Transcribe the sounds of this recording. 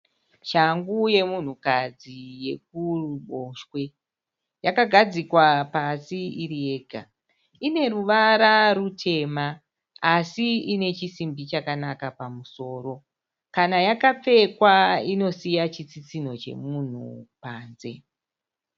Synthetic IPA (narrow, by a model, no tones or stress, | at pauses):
ʃaŋɡuje̞mun̤ukad͡zije̞k̚uruɓoʃwe̞ | jakaɡʱad͡zikwapasiiɾije̞ːɡʱa | ine̞ɾuʋaɾarutʰe̞maː | siine̞t͡ʃisimbit͡ʃakanakapamuso̞ːɾo̞ | kanajakap͡fe̞kwaino̞sijat͡ʃit͡sit͡sin̤o̞t͡ʃe̞̰mun̤ṵpaːnze̞